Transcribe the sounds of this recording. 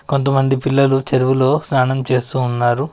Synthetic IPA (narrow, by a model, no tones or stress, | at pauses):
ko̞nt̪̬ɐmɐnd̪ipilːɐlut͡ʃeɾuʋulo̞ːsnaːnɐmt͡ʃe̞ːst̪uːnːaːɾu